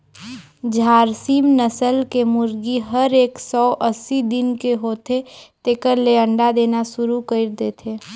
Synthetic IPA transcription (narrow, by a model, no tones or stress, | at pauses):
d͡ʒʱaːɾsimnəsəlkemʊɾɡiɦəɾeːksɔːʔəsːid̪ɪnkeɦoːt̪ʰet̪eːkəɾleə̃ɳɖad̪eːnasʊɾukəɪɾd̪eːt̪ʰeː